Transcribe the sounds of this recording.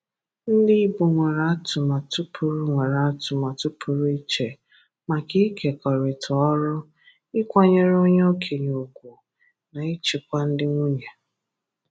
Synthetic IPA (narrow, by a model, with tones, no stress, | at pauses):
n̩˦di˦i˦bu˨ŋʷe˨ɾa˨a˦tʊ˨ma˨tʊ˦pʰʊ˨ɾʊ˦ŋʷe˨ɾa˨a˦tʊ˨ma˨tʊ˦pʰʊ˨ɾʊ˦i˦t͡ʃe˨ | ma˨ki˦ke˨kɔ˨ɾɪ˨tʰɔ˨ɔ˦ɾʊ˦ | ɪ˦kʷa˦ɲe˦ɾo˦ɲ˦o˦kʰe˨ɲo˨ɡʷu˨ | na˨ɪ˦t͡ʃi˨kʷa˦n̩˦dɪ˦ŋʷu˦ɲe˨